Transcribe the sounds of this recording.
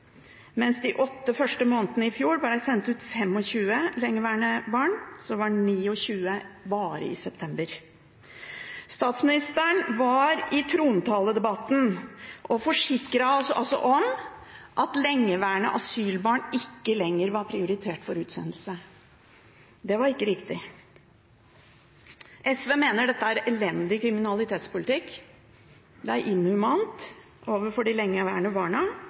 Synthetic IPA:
mɛnsd̪ɪʔɔt̪ːəfœʂʈəmoːnət̪ənəɪfjuːɾb̪ɪɖæɪsɛnt̪ʉːt̪fɛmɔçʉːəlɛŋːəʋæːɳəbɑːɳsɔʋɑɖɛniːɔçʉːəbɑːɾə̰ɪ̰sɛpt̪ʰɛmbəɾ | st̪ɑːt̪smɪnɪst̪əɳʋɑɾɪt̪ʰɾuːnt̪ʰɑːləd̪ɛbɑt̪ːn̩ʔɔfɔʂɪkːɾɑsʔɔsɔ̰ʔɔm | ʔɑt̪lɛŋːəʋæːɳə̰ʔɑsyːlbɑːɳɪkːəlɛŋːəɾʋɑɾpʰɾɪʊɾɪt̪ʰeːʈfɔɾʉːt̪sɛ̰nəl̩sə | d̪ɛʋɑɾɪkːəɾɪkt̪ɪ | ʔɛsʋeːmeːnəɖɛt̪ːəæɾɛlɛnd̪ɪkʰɾɪmɪnɑlˠɪt̪ʰeːt̪spʊlɪt̪ʰɪkː | d̪ɛæɾʔɪnːʉmɑnt̪ | ʔoːʋəɾfɔɖɪlɛŋːəʋæːɳəbɑːɳə

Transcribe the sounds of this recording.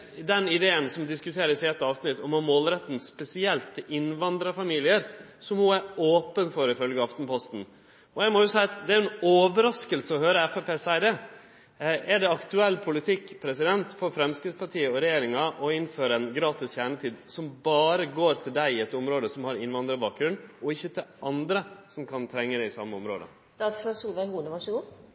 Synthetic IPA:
d̪ɛnɪd̪eːənsɔmd̪ɪskʉt̪ʰeːɾəsɛːɛt̪ɑːʋsnɪt̪ːɔmɔmoːlɾɛt̪ːn̩spɛsɪɛlt̪ʰːɪlʔɪnʋɑnd̪ɾɑfɑmiːlɪəɾsɔmhʊæɾoːpənfɔɾɪfœlɡəɑft̪n̩pʰɔst̪n̩ | ɔjæɪmɔjʊsæɪɑt̪d̪ɛæɾɛnoːʋəɾɑskəlsəɔhøːɾəɛfɛpeːsæɪd̪ɛ | ɛɖɛɑkt̪ʉɛlːpʰʊlɪt̪ʰɪkːpʰɾɛsɪd̪ɛnt̪fɔɾfɾɛmskɾɪspʰɑʈʰiːəɔɾɛjeːɾɪŋɑʔɔɪnføːɾəɛnɡɾɑːt̪ɪsçjæːɳət̪ʰiːd̪sɔmbɑːɾəɡoːɾt̪ʰɪld̪æɪɪɛt̪ɔmɾoːd̪əsɔmhɑɾɪnʋɑnd̪ɾəbɑːk̚ɡɾʉnɔɪçːət̪ʰɪlɑnd̪ɾəsɔmkʰɑnt̪ʰɾɛŋːəd̪ɛɪsɑ̰mːəɔmɾo̰ːd̪ə̰ | st̪ɑːt̪sføːɾsuːlʋæɪhuːləʋɑʂɔɡuː

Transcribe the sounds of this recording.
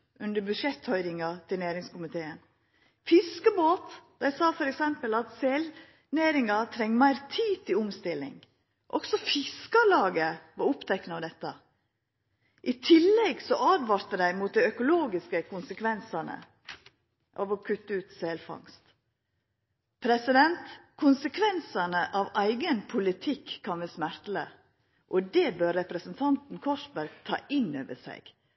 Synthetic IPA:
ʔʉnd̪əɾbʉʂɛt̪hœʏɾɪŋɑt̪ʰɪlnæːɾɪŋskʊmɪt̪ʰeːən | fɪskəboːt̪d̪æɪsɑːfɔɾɛksɛmpəlɑt̪sel | næːɾɪŋɑt̪ʰɾɛŋːmæɪɾt̪ʰiːt̪ʰɪlʊmst̪ɪlːɪ̰ŋ | ʔɔksɔfɪskɑlɑːɡəʋɑɾʊpt̪ʰɛkːnəɑʋd̪ɛt̪ːɑ | ʔɪt̪ʰɪlːɛɡsɔʔɑːd̪ʋɑɾt̪əd̪æɪmuːt̪̚d̪æɪœkʊloːɡɪskəkʰʊnsəkʰʋɛnsənə̰ | ʔɑʋɔkʰʉt̪ːəʉːt̪sɛlfɑ̰ŋst̪ | pʰɾɛsɪd̪ɛnt̪kʰʊnsəkʰʋɛnsənəʔɑʋæɪɡənpʰʊlɪt̪ʰɪkʰːɑnʋɛsmæɾt̪lə | ʔɔd̪ɛbøːɾːɛpɾəsənt̪ʰɑnt̪n̩kʰɔʂbæɾɡt̪ʰɑ̰ːʔɪnːø̰ːʋəsæ̰ɪɡ̥

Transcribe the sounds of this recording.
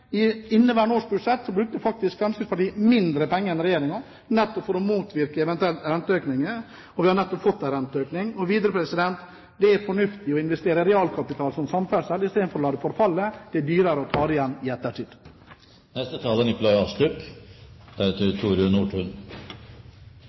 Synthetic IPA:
ɪɪnːəʋæːɳoːʂbʉʂɛt̪ːsɔbɾʉkt̪əfɑk̚t̪ɪskfɾɑmskəspɑʈiːəmɪnd̪ɾəpɛŋːəɾɛnɾɛjeːɾɪŋɑ | nɛt̪ːɔpfɔɾɔmuːt̪ʋɪɾkəɛʋɛnt̪ʉɛlt̪ɾɛnt̪əøːknɪŋə | ɔʋɪhɑɳnɛt̪ːɔpfɔt̪ːæɾɛnt̪əøːknɪŋɔʋiːd̪ɾəpʰɾɛsɪd̪ɛnt̪ | d̪ɛæɾfɔɳʉft̪ɪɔɪnʋɛst̪eːɾəɾɛɑːlkʰɑpɪt̪ʰɑːlsɔmsɑmfæsɛlɪst̪eːd̪fɔɾɔlɑːd̪əfɔɾfɑlːəd̪̥ɛɖyːɾəɾəɔt̪ʰɑːɾɪjɛnːɪɛt̪ːəʈʰiːd̪ | nɛst̪ət̪ʰɑːlənɪkʊlɑɪɑːst̪ʉp | d̪̥æɾɛt̪ət̪ʰuːɾɪʊnuːʈʰʉːn

